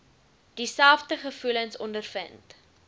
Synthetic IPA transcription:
d̥isælˠfdəχəfulənsɔndərfə̰nt

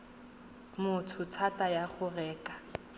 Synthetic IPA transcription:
mʊtʰʊt͡sʰatʼajaχʊrɛːkʼḁ

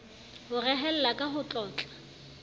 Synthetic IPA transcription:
hʊrɛɦɛl̩lakʼaɦʊt͡ɬʼɔːt͡ɬʼḁ

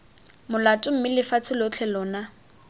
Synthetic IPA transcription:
mʊlatʼʊm̩mɪlɪfat͡sʰɪlot͡ɬʰɛlɔːna

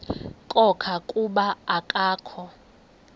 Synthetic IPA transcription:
kʼɔkʰakʼuɓaakʼaːkʰɔ

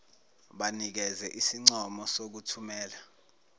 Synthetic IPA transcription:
ɓanik̬ɛzɛʔisiŋ͡ǀɔmɔsok̬utʰumɛːla

